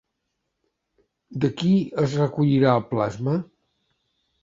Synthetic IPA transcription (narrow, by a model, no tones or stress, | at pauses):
d̪əkiəzrəkuʎiɾaəlˠplazmə